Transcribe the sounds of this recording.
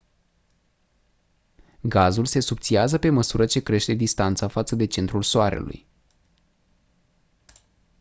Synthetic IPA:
ɡazulse̞subt̪siazəpe̞məsuɾət͡ʃe̞kɾe̞ʃt̪e̞d̪ist̪ant̪safat̪səd̪e̞t͡ʃe̞nt̪ɾulsoaɾe̞̰lṵj

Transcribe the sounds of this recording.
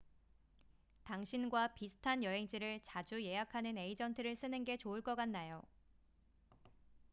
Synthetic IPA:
taŋɕʰinɡwapisʰɯ̥tʰanjʌɦe̞ŋd͡ʑiɾɯɭt͡ɕad͡ʑuje̞jakʰanɯne̞id͡ʑʌntʰɯɾɯɭs͈ɯnɯnɡe̞t͡ɕoɯɭk͈ʌk͈anːajo

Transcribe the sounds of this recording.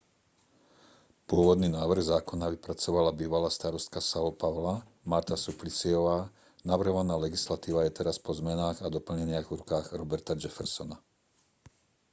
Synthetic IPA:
pʊɔʋɔd̪ninaːʋr̩ɣzaːkɔnaʋipɾat͡sɔʋalabiːʋalaːst̪aɾɔst̪̚kasalɔpaʊlamaɾt̪asuplit͡siɔʋaː | naʋr̩ɦɔʋanaːlɛɡislat̪iːʋajɛt̪ɛɾaspɔzmɛnaːɣad̪ɔpl̩ɲɛɲɪaɣvɾukaːɣɾɔbɛɾt̪ad͡ʒɛfɛɾsɔna

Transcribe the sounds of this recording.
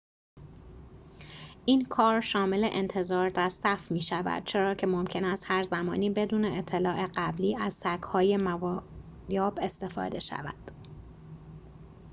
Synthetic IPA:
ʔiːnkʰɒːɾʃɒːme̞le̞̰ʔent̪ʰe̞zɒːɾd̪æɾsæfmiːʃævæ̰d̪̥̚t͡ʃʰe̞ɾɒːcʰe̞mo̞mcʰe̞næst̪hæɾzæmɒ̰ːniːbe̞d̪uːne̞et̪ʰːe̞lɒːʔe̞ɢæbliːæzsækhɒːje̞mæv | jɒːbe̞st̪e̞fɒ̰ːd̪e̞ʃæ̰væ̰d̪̥

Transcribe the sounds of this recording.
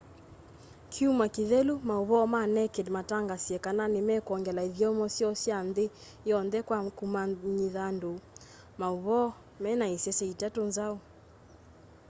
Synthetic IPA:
kʰiumakiðɛlumauβɔmanɛkɛdmataŋɡasiɛkananimɛkɔŋɡɛlaiðjɔmɔsiɔsiande | jɔndɛkwakumaɲiðando | mauβɔ | mɛnaisɛsɛitatɔnzaɔ

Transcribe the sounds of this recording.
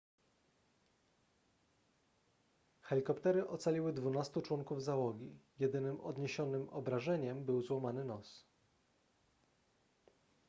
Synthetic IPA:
xɛlʲikɔpt̪ɛɾɘʔɔt̪salʲiwɘd̪vunast̪ut͡ʂwɔŋkuvzawɔɡʲijɛd̪ɘnɘmʔɔ̰d̪ɲeɕɔnɘmɔbɾaʐɛɲɛmbɘwzwɔmanɘnɔs

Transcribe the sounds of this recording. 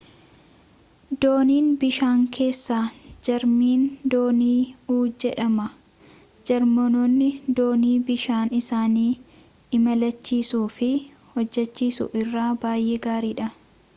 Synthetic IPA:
d̪o̞ːniːnbɪʃaːŋkʰe̞ːsːaːd͡ʒɐɾmiːnd̪oːniːuːd͡ʒɛᶑɐmɐ | d͡ʒɐɾmɔnonːɪd̪oːniːbɪʃaːnɪsaːniː | ɪmɐlɐt͡ʃːiːsuːfɪ | hɔd͡ʒːɛt͡ʃːiːsʊ̰ʔɪrːaːbaːjʔeːɡaːɾiːᶑɐ

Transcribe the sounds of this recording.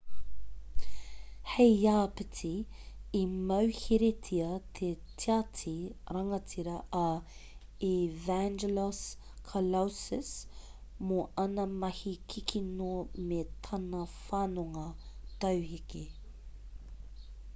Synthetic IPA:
hejaːpitʰiː | mɐwhiɾetʰiɐt̪ʰetʰiatʰiɾɐŋɐt͡sʰiɾɐʔɐ | ivænd͡ʒeləs | kʰɐlawsɪs | moʔɐnɐmɐhikʰikʰinomet̪ʰɐnɐfaːnoŋɐt̪ɐwhiki

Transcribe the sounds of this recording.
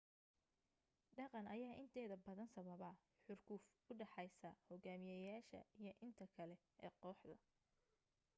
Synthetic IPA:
ɖɑqɑnɐjaːʔɪnt̪ʰɛːðɐbɐðɐnsɐβɐβɐ | ħʊrkʰʊf | ʊɖɑħɑjsɐhɔɡaːmɪjɐjaːʃɐ̰ijɞʔɪnt̪ʰɐkʰɐlɛ | ɛːqɔːħd̪ɐ

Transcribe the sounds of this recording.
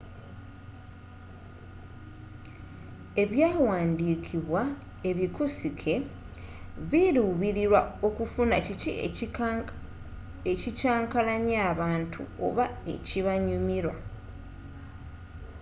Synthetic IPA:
e̞βjaːwaːndiːkʰiβwa | e̞βikusikʰe̞ | βiluːβiɾiɾwao̞kufunacii | ecicaːŋkalaɲaːβaːntʰṵo̰βae̞̰ciβaɲumiɾwa

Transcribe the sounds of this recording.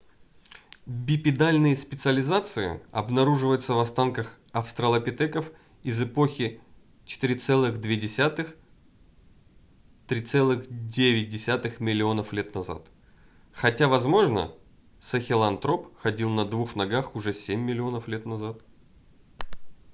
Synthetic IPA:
bʲɪpʲɪd̪alʲnɨjəspʲɪt̪sɨəlʲɪzat̪sɨɪ̰ɐ̰bnɐɾuʐɨvəjʊt̪səvɐst̪ankəx | ɐfst̪ɾəlˠəpʲɪt̪ɛkəf | ɪzɨpoxʲɪ | t͡ɕɪ̥t̪ɨɾʲɪt̪sɛlˠɨɣd̪vʲedʲɪsʲat̪ɨx | t̪ɾʲit̪sɛlˠɨxdʲevʲɪt̚ʲdʲɪsʲat̪ɨxmʲɪlʲɪo̞nəflʲet̪nɐza̰t̪ | xɐtʲavɐzmo̞ʐnə̰ | səxʲɪlˠɐnt̪ɾo̞pxɐdʲilˠnɐd̪vuxnɐɡaxʊʐɛsʲemʲːɪlʲɪo̞nəflʲet̪nɐzat̪

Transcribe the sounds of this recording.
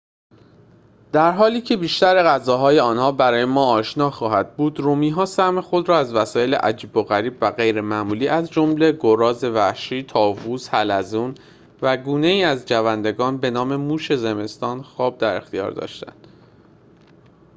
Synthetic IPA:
d̪̥æɾɦɒːliːcʰe̞biːʃt̪æɾe̞ɣæzɒːɦɒːjeɒːnhɒːbæɾɒːjemɒːɒːʃnɒːxɒːɦæd̪̥̚buːd̪romiːɦɒːsæhme̞xo̞d̪ɾɒːæzvæsɒːje̞le̞̰ʔæd͡ʒiːbo̞ɣæɾiːbvæɣe̞jɾe̞mæːmuːliːʔæzd͡ʒomle̞ɡoɾɒːze̞væhʃiːt̪ʰɒːvuːzhælæzuːn | væɡuːne̞iːæzd͡ʒævænd̪e̞ɡɒːnbe̞nɒːme̞muːʃe̞ze̞me̞st̪ɒːnxɒːb̚d̪æɾe̞xt̪ijɒ̰ːɾd̪ɒ̰ːʃt̪æ̰nd̪̥

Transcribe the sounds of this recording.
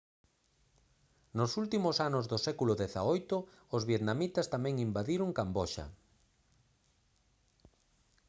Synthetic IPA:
nosult̪imosanozðosɛkulʊðeθa̰ojt̪ʊː | zβjet̪namit̪ɐst̪amɛ̃ŋimbaðiɾʊŋkambɔʃa̰

